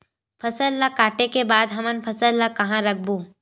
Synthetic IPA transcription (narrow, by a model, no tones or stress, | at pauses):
pʰɐsəlːakaːʈekebaːd̪ɦɐmənpʰɐsəlːakɐɦãɾɐk̚ʰbuː